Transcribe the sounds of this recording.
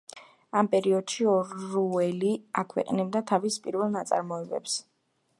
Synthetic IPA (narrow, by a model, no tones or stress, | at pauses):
ampʼɛɾiɔd̪̥ʃiɔɾuɛliakʰwɛ̰qʼnibd̪at̪ʰavispʼiɾvɛlˠnat̪sʼa̰ɾmɔɛbɛ̰ps